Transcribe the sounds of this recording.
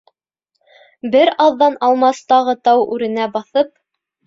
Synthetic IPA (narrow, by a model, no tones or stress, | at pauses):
bɘɾɑlːɑnɑlˠmɑst̪ɑʁɤt̪ɑwʉɾɘ̆næbɑθɤp̚